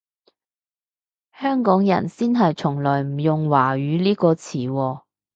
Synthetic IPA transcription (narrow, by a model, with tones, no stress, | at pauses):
hœː˥ŋkɔː˨˥ŋjɐ̰˨˩nsiː˥nɦɐ˨jt͡sʰʊ˨˩ŋlɔː˨˩jm̩˨˩jʊ˨ŋwaː˨˩ɥyː˨˧liː˥kɔː˧t͡sʰiː˨˩wɔː˧